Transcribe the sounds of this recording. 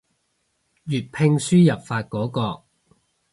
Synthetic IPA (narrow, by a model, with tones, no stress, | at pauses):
jyː˨t̚pʰɪ˧ŋsyː˥jɐ˨˩p̚faː˧t̚kɔː˨˥kɔː˧